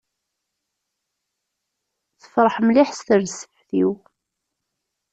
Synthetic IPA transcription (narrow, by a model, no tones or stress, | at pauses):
θə̥fɾˤəħmliħst̪əɾsə̥ħθiw